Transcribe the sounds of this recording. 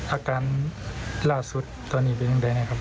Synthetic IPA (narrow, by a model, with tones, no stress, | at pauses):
ʔaː˧kaː˨˧˦n | laː˧˩su˧˦t̪̚ːɔː˧˦nːiː˧˩p̬e˧˨nja˧ŋda˧jna˧˩kʰa˧p